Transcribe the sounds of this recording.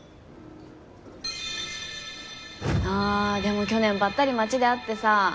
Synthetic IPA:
aːd̪e̞mokʲo̞nẽ̞mbat̪ːaɾʲimat͡ɕid̪e̞at̪ːe̞sa

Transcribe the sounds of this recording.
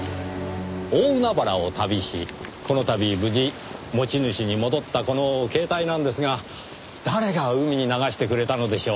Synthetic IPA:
oːɯ̟nabaɾao̞t̪abʲiɕḭko̞no̞t̪abʲibɯ̟ʑi | mo̞t͡ɕinɯ̟ɕiɲ̟imo̞d̪o̞t̪ːako̞no̞ke̞ːt̪ainãnd̪e̞sɨɡa | d̪̥aɾe̞ɡaɯ̟mʲiɲ̟inaɡaɕi̥t̪e̞kɯ̟ɾe̞t̪ano̞d̪e̞ɕo̞ː

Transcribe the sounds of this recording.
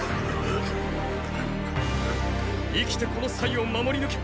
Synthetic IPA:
ikʲi̥t̪e̞ko̞no̞saiomamo̞ɾʲinɯkʲi̥

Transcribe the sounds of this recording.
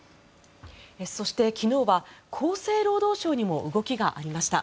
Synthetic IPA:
eso̞ɕi̥t̪e̞kʲino̞ːβakʰo̞ːse̞ːɾo̞ːd̪o̞ːɕo̞ːɲ̟imo̞ʔɯ̟ɡo̞kʲiɡaʔaɾʲimaɕi̥t̪a̰

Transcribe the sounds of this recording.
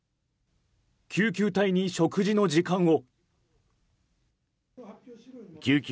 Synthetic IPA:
kʲʰɨːk̬ʲɨːt̪aiɲ̟iɕokɯ̟ʑinod͡ʑikãɰ̃o̞ | kʲɨːkʲ

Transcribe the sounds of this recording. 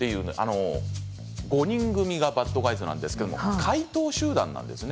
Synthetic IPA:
t̪ːe̞jɯ̟ːnoʔa̰no̞ | ɡo̞ɲ̟ĩŋɡɯ̟mʲiɡabat̪ːoɡaizɨnã̰nd̪esɨ̥ked̪o̞mokʰait̪o̞ːɕɨːd̪ã̰nːã̰nd̪e̞̰sɨne

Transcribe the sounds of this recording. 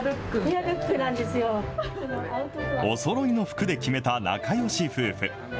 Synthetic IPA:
bɯkːɯabɯ̟kːɯnãnd̪e̞sɨjo | ont̪oo̞so̞ɾo̞ino̞ɸɯ̟̥kɯ̟d̪e̞kʲime̞t̪ana̰kajo̞ɕiɸɯ̟ːɸɯ̟

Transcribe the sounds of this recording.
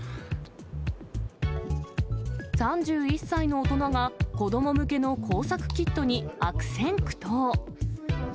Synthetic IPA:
sãɲ̟d͡ʑɨːisːaino̞ːt̪o̞naɡako̞d̪o̞mo̞mɯ̟ke̞no̞kʰo̞ːsakɯ̟̥kʲit̪ːo̞ɲ̟iakɯ̟̥sẽ̞ŋkɯ̟̥t̪oː

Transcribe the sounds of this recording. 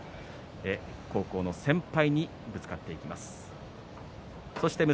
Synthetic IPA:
eko̞ːko̞ːno̞sẽ̞mpaiɲ̟i | bɯt͡sɨ̥kat̪ːe̞ikʲimasɨ̥ | so̞ɕi̥t̪e̞mɯ

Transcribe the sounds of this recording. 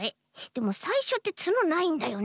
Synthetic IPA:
e | d̪̥e̞mo̞saiɕo̞t̪ːe̞t͡sɨno̞naĩnd̪ajo̞n

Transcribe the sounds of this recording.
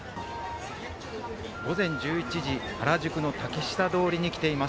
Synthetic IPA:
ɡ̥o̞zẽ̞ɲ̟d͡ʑɨːit͡ɕiʑihaɾaʑɨkɯ̟no̞t̪akʲiɕi̥t̪ad̪o̞ːɾʲiɲ̟ikʲi̥t̪e̞ima

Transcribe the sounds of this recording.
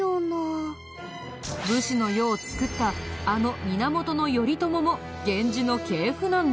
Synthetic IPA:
ona | bɯ̟ɕino̞jo̞ːt͡sɨ̥kɯ̟t̪ːaːno̞mʲinamo̞t̪o̞no̞jo̞ɾʲit̪o̞mo̞mo̞ | ɡẽ̞ɲ̟d͡ʑino̞ke̞ːɸɯ̟nãnd̪

